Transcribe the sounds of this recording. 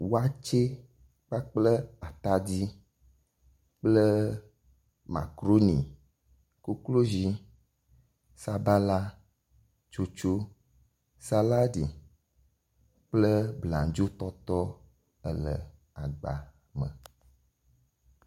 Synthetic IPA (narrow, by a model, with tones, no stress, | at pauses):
wo˦a˦t͡ʃe˦ | k͡pa˦k͡plə˦a˨t̪a˦d͡ʑi˦ | k͡plə˦ | ma̰˨kɾo˦nḭ̃˨ | ku˦klo˦zi˦ | sa˨ba˦la˦ | t͡ʃo˨t͡ʃo˦ | sa˦la˦di˨ | k͡plə˦bla̰˨d͡ʒo˦t̪ɔ˦t̪ɔ˦ | ə̰˨lə̰˨ | a˨ɡ͡ba̰˨ | mə̰̃˨